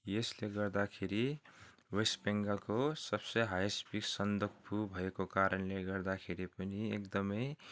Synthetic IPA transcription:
jesleɡʌrd̪akʰeɾi | wesbeŋɡʌlkosʌb̥sʌjɦajsbiksʌnd̪okʰpʰubʱʌekokaɾʌnleɡʌrd̪akʰeɾipʌniekd̪ʌmʌj

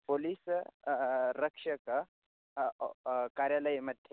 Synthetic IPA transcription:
poliːs | ɾəkʂək | kaɾjaləjməd̪ʱːje

